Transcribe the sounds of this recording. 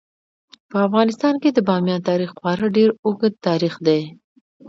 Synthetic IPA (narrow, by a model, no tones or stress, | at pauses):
pəafɣɑnɪst̪ɑnked̪əbɑmjɑnt̪ɑɾixwɑɾəɖeɾʊɡəd̪̚t̪ɑɾixd̪e